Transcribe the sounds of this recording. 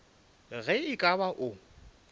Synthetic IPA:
ɣɛɪkʼabaʔʊ

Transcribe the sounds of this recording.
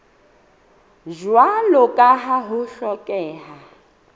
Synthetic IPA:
ʒwalɔkʼaɦaɦʊʃɔkʼɛːɦa

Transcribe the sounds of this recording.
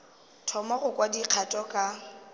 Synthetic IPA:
tʰɔmɔɣʊkʼwadiq͡χʰatʼɔkʼa

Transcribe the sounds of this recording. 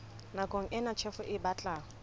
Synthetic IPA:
nakʼoŋ̩ʔɛnat͡ʃʰɛfʊʔɪbat͡ɬʼaː

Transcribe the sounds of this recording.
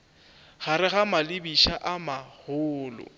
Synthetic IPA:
ɣ̥aɾɪɣamalɪbiʃaʔamahʊːlʊ̰

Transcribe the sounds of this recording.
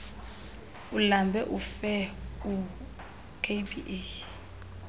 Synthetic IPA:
ulambʱɛʔufɛu | kʰebiʔeʃ

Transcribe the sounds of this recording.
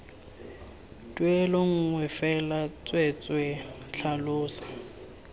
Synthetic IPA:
tʼweloŋ̩ŋwɛfɛlat͡sʼwet͡sʼwe | ɬʰalʊːsḁ

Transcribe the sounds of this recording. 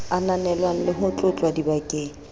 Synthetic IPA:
ananɛlwaŋ̩lɪɦʊt͡ɬʼʊt͡ɬʼwadibakʼeːŋ̩

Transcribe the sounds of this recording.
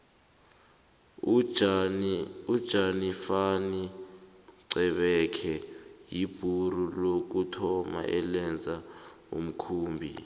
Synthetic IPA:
ud̥ʒ̥ʱanifani | ǀɛɓɛkʰɛjib̥ʱurulok̬utʰɔma̰ʔɛlɛnd͡zʱa | ṵm̩kʰuːmbʱḭ

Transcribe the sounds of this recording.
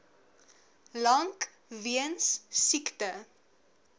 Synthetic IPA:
lɐŋk | viənssiktə

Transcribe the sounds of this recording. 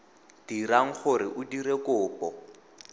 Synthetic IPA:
d̥iɾaŋ̩χʊɾɪʔʊdiɾekʊːpɔ

